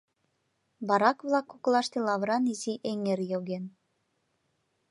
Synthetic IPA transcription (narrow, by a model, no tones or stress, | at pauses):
bɑɾɑkβlˠɑkːuklˠɑʃt̪elɑβɾɑniziʔeŋerjoɣen